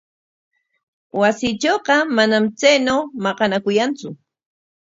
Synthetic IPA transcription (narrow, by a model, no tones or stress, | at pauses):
wasɪt͡ʃoːqɑmanamt͡sajnawmɑqɑnakʊjant͡sʊ